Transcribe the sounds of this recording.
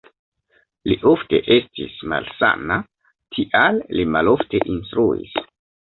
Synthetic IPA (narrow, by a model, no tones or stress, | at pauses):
liʔofte̞̰ʔestḭsma̰lsa̰na | tʰiʔallimalo̞fteʔinstɾuḭs